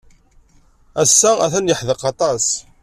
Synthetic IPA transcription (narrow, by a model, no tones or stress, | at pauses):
æsːææθænjəħðəqɑt̪ˤɑs